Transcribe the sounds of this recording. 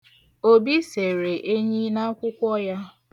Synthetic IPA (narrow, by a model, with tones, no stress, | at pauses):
o˦bi˦se˨ɾe˨ʔe˦ɲi˦na˦kʷʊ˦kʷɔ˦ja˦